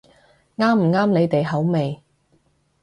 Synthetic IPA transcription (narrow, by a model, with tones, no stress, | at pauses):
ŋaː˥m̩˨˩ŋaː˥mne˨˧jt̪e˨jɦɐ˨˥wme˨j